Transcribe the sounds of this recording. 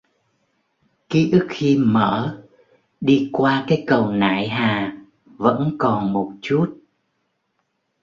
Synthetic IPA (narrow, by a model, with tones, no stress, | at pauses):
ki˨˦ʔɨ˦˥k̚xi˧məː˧˩ | ɗi˧kwaː˧kaː˨˦jkə˨˩wna̰ː˧˨jɦaː˨˩ | və̰˧˥nkɔ˨˩nmo˨˩t̚t͡ɕu˦˥t̚